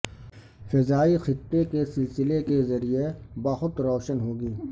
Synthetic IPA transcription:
fɪzaːixɪt̪ːekesɪlsɪlekezɐɾijebaxʊt̪ɾɔːʃənɦoːɡiː

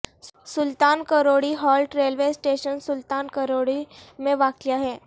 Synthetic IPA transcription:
sʊlt̪aːnkəɾoːɽiɦɔːlʈɾeːlʋeːsʈeːʃənsʊlt̪aːnkəɾoːɽimẽʋaːkijaɦɛː

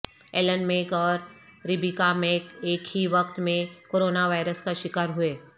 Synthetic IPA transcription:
eːlənmẽːkɔːɾɾɪbikamẽkeːkhiʋɐkt̪mẽkoːɾoːnaʋaːɪɾəskaʃɪkaːɾɦʊeː

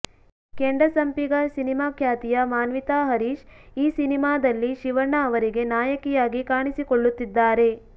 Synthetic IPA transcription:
keɳɖɐsɐmpiɡɐsinimaːkʰjaːt̪ijɐmaːnʋit̪aːɦɐɾiːʃiːsinimaːd̪ɐlːiʃiʋɐɳɐːʋɐɾiɡe̞naːjɐkijaːɡikaːɳisikoɭːut̪ːid̪ːaːɾe̞

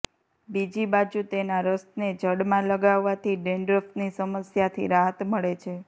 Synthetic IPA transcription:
bid͡ʒibad͡ʒut̪enaɾəst̪ned͡ʒəɽmãləɡaʋːat̪ʰiɖeɳɖɾəft̪nisəməsjat̪ʰḭɾaɦət̪məɭet͡ʃʰe

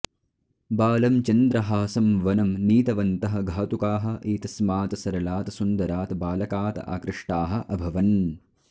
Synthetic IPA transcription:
baːlɐmt͡ʃɐnd̪ɾɐɦaːsɐmʋɐnɐmniːt̪ɐʋɐnt̪ɐɦɐ̆ɡʱaːt̪ukaːɦɐ̆ʔiːt̪ɐsmaːt̪ɐsɐɾɐlaːt̪ɐsund̪ɐɾaːt̪ɐbaːlɐkaːt̪ɐ̰a̰ːkɾɪʂʈaːɦɐ̆ʔɐbʱɐʋɐn

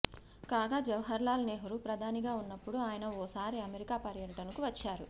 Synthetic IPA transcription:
kaːɡaːd͡ʒɐʋɐɦɐɾlaːlɐneːɦuɾupɾɐd̪ʱaːniɡaːunːɐpːuɽuaːjɐnɐɔːsaːɾiɐmeɾikaːpɐɾjɐʈɐnukuʋɐt͡ʃːaːɾu

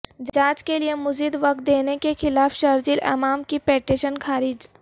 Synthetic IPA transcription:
d͡ʒaːt͡ʃkelijemʊziːd̪ʋɐk̚t̪̚d̪eːnekexɪlaːfʃɐɾd͡ʒilɛ̰maːmkipɛːʈeʃənkʰaːɾɪd͡ʒ

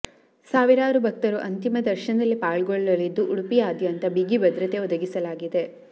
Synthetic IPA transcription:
saːʋiɾaːɾubʱɐk̚t̪ɐɾuʔɐnt̪imɐd̪ɐɾʃɐnɐd̪ɐlːipaːɭɡoɭːɐlid̪ːuʔuɽupijaːd̪jʋɐnt̪ɐbiɡibɐd̪ɾɐt̪e̞ɔd̪ɐɡisɐlaːɡid̪e

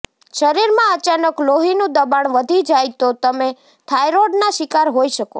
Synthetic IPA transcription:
ʃəɾiɾmãət͡ʃanəkloɦinũd̪əbaɳʋəd̪ʱid͡ʒajt̪ot̪əme | t̪ʰajɾoɖnaʃɪkaɾɦojʃəko̰

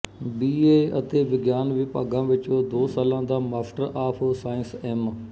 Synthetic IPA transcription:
biːeːɐt̪eʋɪɡjaːnʋipɐ̰ɡʱãːʋɪt͡ʃod̪oːsəlãːd̪aːmaːfʈəɾʔaːpʰsaːɪ̃nseːm

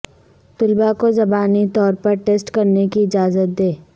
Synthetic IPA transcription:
t̪ʊlbakozɐbaːnit̪ɔːɾpɐɾʈeːsʈkɐɾnekiɪd͡ʒaːzət̪̚d̪eː

